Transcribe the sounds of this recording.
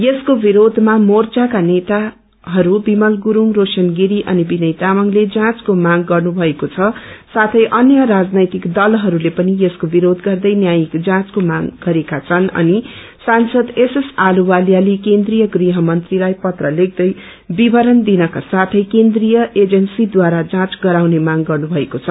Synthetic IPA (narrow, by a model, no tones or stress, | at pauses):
jeskobiɾod̪ʱmamort͡sakanet̪a | ɦʌɾubimʌlɡuɾuŋrosʌnɡiɾiʔʌnibinʌjt̪amʌŋled͡zãt͡skomaɡɡʌrnubʱʌekot͡sʰʌsat̪ʰʌjʔʌnjʌɾad͡znʌjt̪ikd̪ʌlɦʌɾulepʌnijeskobiɾod̪ɡʌrd̪ʌjnjajikd͡zãt͡skomaɡɡʌɾekat͡sʰʌnʌ̰ni | sansʌd̪esesaluwaljalikend̪rijʌɡriɦʌmʌnt̪rilajpʌt̪rʌleɡ̚d̪ʌj | bibʱʌɾʌnd̪inʌkasat̪ʰʌjkend̪rijʌed͡zʌnsid̪waɾad͡zãt͡sɡʌɾawnemaŋɡʌrnubʱʌekot͡sʰʌ